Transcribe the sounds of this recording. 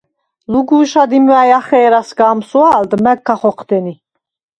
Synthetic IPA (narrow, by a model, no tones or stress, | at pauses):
luɡuːʃad̪imajaχɛːɾasɡaːmsuaːld̪mækʰːaχɔqʰd̪ɛni